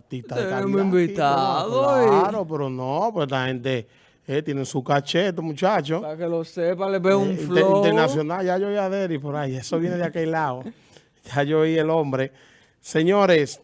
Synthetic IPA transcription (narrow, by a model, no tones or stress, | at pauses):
t̪it̪aðeemimbit̪aðoɾopeɾonõpwelahẽnt̪e | et̪jenesukat͡ʃet̪̬omũt͡ʃat͡ʃopkelosepaleβeuɱifnleɾoineɾnasjonald͡ʒajoiaðeɾipoɾajesoβjeneðeakelao | ʝaʝoielõmbɾe | seɲoɾes